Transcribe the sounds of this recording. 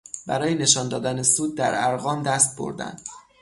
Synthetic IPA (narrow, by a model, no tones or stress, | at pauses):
bæɾɒːjene̞ʃɒːnd̪ɒːd̪ænesuːd̪̚ːæɾæɾɣɒːmd̪æst̪̚bo̰ɾd̪æ̰nd̪̥